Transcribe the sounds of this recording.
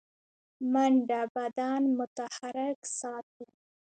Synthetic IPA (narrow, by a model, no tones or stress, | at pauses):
maɳɖabad̪ɑnmʊt̪ahaɾɪksɑːt̪̚i